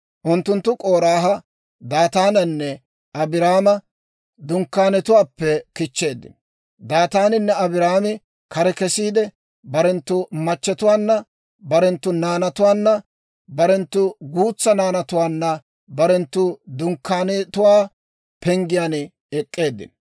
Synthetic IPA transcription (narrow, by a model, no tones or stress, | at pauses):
ʔʊnt̪ːʊnt̪ːʊkʼo̞ːɾaːɦɐ | d̪aːt̪aːnɐnːɛ | ɐbɪɾaːmɐ | d̪ʊŋkːaːnɛt̪ʊwaːpːɛkɪt͡ʃːe̞ːd̪ːɪ̰n | d̪aːt̪aːnɪnːɛɐbɪɾaːmɪ | kɐɾɛkɛsiːd̪ɛ | bɐɾɛnt̪ːʊmɐt͡ʃːɛt̪ʊwaːnːɐ | bɐɾɛnt̪ːʊnaːnɐt̪ʊwaːnːɐ | bɐɾɛnt̪ːʊɡuːt͡sːɐnaːnɐt̪ʊwaːnːɐ | bɐɾɛnt̪ːʊd̪ʊŋkːaːnt̪ʊwaː | pɛŋɡɪjaːn | ɛkʼːe̞ːd̪ːɪ̰n